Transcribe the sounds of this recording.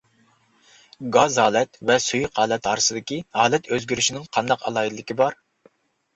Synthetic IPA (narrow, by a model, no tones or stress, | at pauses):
ɡɑzɦɑːlˠɛt̪vɛsujqhɑːlˠɛt̪ɑːɾɨsɨd̪ɨkʲihɑːlˠɛt̪ʰøzɡʲyɾyʃinɪŋqʰɑnd̪ɑqɑ̰lˠɑːid̪lːɪkʲibɑɾ